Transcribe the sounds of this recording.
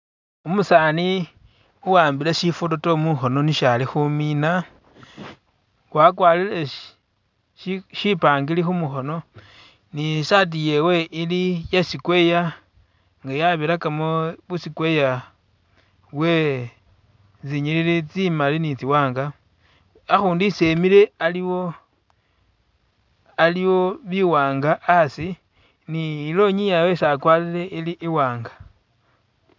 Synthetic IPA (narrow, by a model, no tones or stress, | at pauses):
umusani | uwaːmbileʃifutotomuxo̞no̞niʃalixumina | wakwaːlile | ʃipaːŋɡilixumuxo̞no̞ | nisat̬ije̞we̞ʔilijasikwe̞ja | ŋɡajaβiɾakamoβusikweja | we̞ | t͡siɲililit͡simalinit͡siwaːŋɡa | axuːndisemile̞aliwo | aliwoβiwaːŋɡaʔasi | niːlo̞ɲijawesakwalile̞iliʔiwaːŋɡḁ